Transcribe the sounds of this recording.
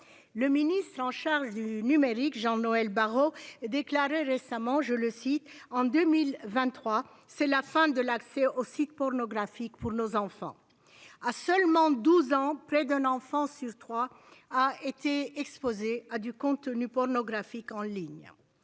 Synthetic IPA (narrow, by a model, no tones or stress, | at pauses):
ləminist̪χɑ̃ʃaʁʒd̪ynymeʁikʒɑ̃nɔɛlbaʁod̪eklaʁeʁesamɑ̃ʒələsit̪ɑ̃d̪ømilvɛ̃t̪ːχwa | sɛlafɛ̃d̪əlaksɛʔosit̪̚pɔʁnɔɡʁafikpuʁnozɑ̃fɑ̰̃ | asœlmɑ̃d̪uzɑ̃pχɛd̪ɛ̃nɑ̃fɑ̃syʁt̪χwa | aet̪eɛkspozead̪ykɔ̃t̪ənypɔʁnɔɡʁafikɑ̃liɲ